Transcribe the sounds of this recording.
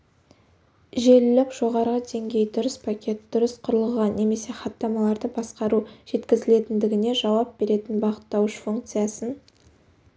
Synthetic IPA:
ʒe̞ɾɪlɪkʒ̥o̞ʁɑɾʁəd̪e̞ŋɡʲe̞jd̪ʊɾəspʰakʲʰe̞t̪̚d̪̥ʊɾəsqʰʊɾəlˠəʁɑnne̞me̞se̞χɑt̪ːɑmɑlˠɑɾd̪əbɑsqɑɾuʒ̥e̞t̪kʲɪzɪle̞t̪ɪnd̪ɪɡʲɪne̞ʒɑwɑp̚b̥e̞ɾe̞t̪ɪnbɑʁət̪ːɑwəʃfuŋk̚t̪sɨjasən

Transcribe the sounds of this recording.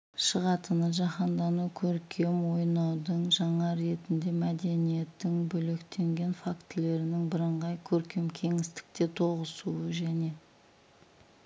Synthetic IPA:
ʃəʁɑt̪ənəʒɑχɑnd̪ɑnukʲʰɵɾkʲʰe̞mwo̞jnɑwd̪əɴʒɑɴɑɾe̞t̪ɪnd̪e̞mæd̪e̞nije̞t̪ːɪŋbɵle̞kt̪e̞ŋɡʲe̞nfakt̪le̞ɾɪnɪŋbɪɾəɴʁɑjkʲʰɵɾkʲe̞mkʲʰe̞ŋɪst̪ɪ̥k̚t̪e̞t̪ʰo̞ʁəsuəʒæne̞

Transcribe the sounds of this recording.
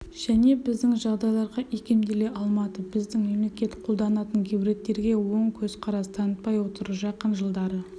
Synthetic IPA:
ʒ̥æne̞bɪzd̪ɪŋʒɑʁd̪ɑjlˠɑɾʁɑʔekʲe̞md̪e̞le̞ʔɑlˠmɑt̪əbɪzd̪ɪŋme̞mle̞kʲe̞t̪qʰolˠd̪ɑnɑt̪əŋkʲʰibɾe̞t̪ːe̞ɾɡʲe̞wo̞ɴkʲʰɵz̥qʰɑɾɑst̪ʰɑnət̪̚pɑjwo̞t̪əɾəʒɑqːɑnʒəlˠd̪ɑɾə

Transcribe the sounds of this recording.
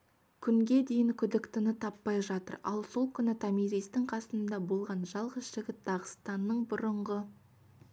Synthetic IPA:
kʲʰʏŋɡʲe̞d̪e̞jɪŋkʲʰʏd̪ɪkt̪ɪnɪt̪ʰɑpːɑjʒɑt̪ə̰ɾɑ̰lˠso̞lˠkʲʰʏnɪt̪ʰɑmiɾijst̪ɪŋqʰɑsənənd̪ɑbolˠʁɑnʒɑlˠʁəsʒ̥ɪɡʲɪt̪̚d̪ɑʁəst̪ɑnːəɴbʊɾəɴʁə

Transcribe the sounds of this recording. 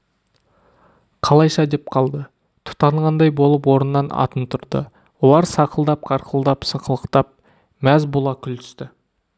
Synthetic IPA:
qʰɑlˠɑjʃɑd̪ep̚qʰɑlˠd̪ə | t̪ʰʊ̥t̪ɑɴʁɑnd̪ɑjbo̞lˠəpwo̞ɾənːɑnɑ̰t̪ənt̪ʰʊɾd̪ə̰ | wo̞lˠɑɾsɑqəlˠd̪ɑp̚qʰɑɾqəlˠd̪ɑpsəqəlˠəqt̪ɑp̚ | mæzbʊlˠɑkʲʰʏlt̪ʰʏ̥st̪ɪ

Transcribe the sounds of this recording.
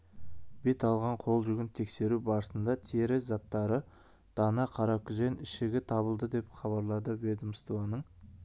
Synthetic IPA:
be̞t̪ɑlˠʁɑɴqʰo̞lˠʒʏɡʲɪnt̪ʰe̞kse̞ɾubɑɾəsənd̪ɑt̪ʰeɾɪzɑt̪ːɑɾə | d̪̥ɑnɑqʰɑɾɑkʲʰʏzenɪʃɪɡʲɪt̪ʰɑβəlˠd̪əd̪e̞pχɑβɑɾlˠɑd̪əwed̪əmst̪uɑnəɴ

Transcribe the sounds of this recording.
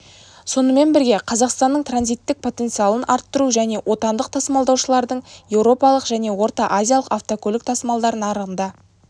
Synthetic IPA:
so̞nəme̞nbɪɾɡʲe̞qʰɑzɑqst̪ɑnːəɴt̪ranzijt̪ːɪk̚pʰo̞t̪e̞nt̪sɨjɑlˠənʔɑɾt̪ːəɾuʒæne̞wʔo̞t̪ɑnd̪əq̚t̪ʰɑsmɑlˠd̪ɑwʃəlˠɑɾd̪əɴjewɾo̞pɑlˠəqʒæne̞wo̞ɾt̪ɑʔazʲijalˠəqaft̪okolʲɪk̚t̪ʰɑsəmɑlˠd̪ɑɾənɑɾəʁənd̪ɑ

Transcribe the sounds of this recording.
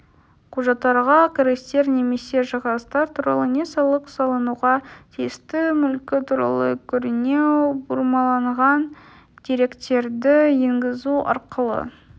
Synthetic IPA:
qʰuʒɑt̪ːɑɾʁɑkʲʰɪɾɡʲɪst̪e̞ɾne̞me̞se̞ʒɑʁɑst̪ɑɾt̪ʰuɾɑ̰lˠənʲe̞sɑlˠəqsɑlˠənuʁɑt̪ʰijɪst̪ɪmʏlkʲɪt̪ʰuɾɑ̰lˠə̰kʲʰʏɾɪne̞buɾmɑlˠɑɴʁɑn | d̪̥eɾe̞kt̪e̞ɾd̪ɪjeŋɡʲɪzuɑ̰ɾqəlˠə̰

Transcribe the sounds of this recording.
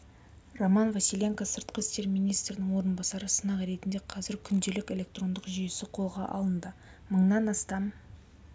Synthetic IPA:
romɑnvɑsʲilʲeŋkasəɾt̪̚qəst̪e̞ɾmijnijst̪ɾɪnɪŋwo̞ɾənbɑsɑɾəsənɑqɾe̞t̪ɪnd̪e̞qʰɑzɪɾkʲʰʏnd̪e̞lɪkʲe̞lʲe̞k̚t̪ro̞nd̪əqʒʏje̞sɪqʰo̞lˠʁɑʔɑ̰lˠənd̪ə | məɴnɑnɑst̪ɑm

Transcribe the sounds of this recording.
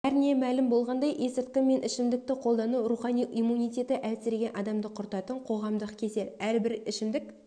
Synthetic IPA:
æɾnemælɪmbo̞lˠʁɑnd̪ɑjʔe̞sɪɾt̪̚kʲɪme̞nʔɪʃɪmd̪ɪk̚t̪ɪqʰo̞lˠd̪ɑnuɾuχɑnijimːunijt̪ʲe̞t̪ɪʔæsɪɾɡʲe̞nʔɑd̪ɑmd̪əqʰʊɾt̪ɑt̪əɴqʰo̞ʁɑmd̪əqkʲʰe̞se̞læɾbɪɾɪʃɪmd̪ɪk

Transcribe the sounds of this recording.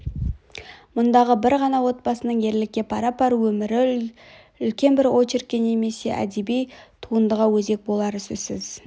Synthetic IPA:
mʊnd̪ɑʁəbɪɾʁɑnɑwo̞t̪̚bɑsənəɴje̞ɾlɪk̚ʲːepʰɑɾɑpɑɾuwɵmɪɾɪ | ʏlkʲe̞nbɪɾo̞t͡ʃɪɾkʲːene̞me̞se̞ʔæ̰d̪ebijt̪ʰuənd̪əʁɑwɵze̞k̚bo̞lˠɑɾəsɵz̥sɪz̥

